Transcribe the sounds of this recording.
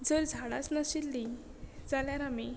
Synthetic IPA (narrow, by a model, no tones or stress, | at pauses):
d͡zəɾd͡zʱaɽa̰t͡snaɕilːi | d͡zaljaɾami